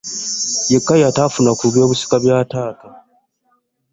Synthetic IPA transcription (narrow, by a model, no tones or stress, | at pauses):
je̞kːajataːfunakuβjo̞ːβusi̥kaβjaːtaːta